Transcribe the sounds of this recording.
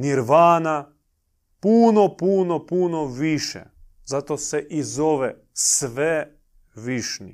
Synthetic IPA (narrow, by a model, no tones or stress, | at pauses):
niɾʋaːna | puːnopunopunoʋiʃɛ̰ | zat̪oseʔizoʋe | sʋe | ʋiʃnḭ